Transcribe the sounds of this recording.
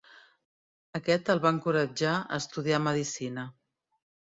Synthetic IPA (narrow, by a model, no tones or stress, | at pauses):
əkɛt̪əlˠβaəŋkuɾəd͡ʒaə̰st̪uðiaməðisinə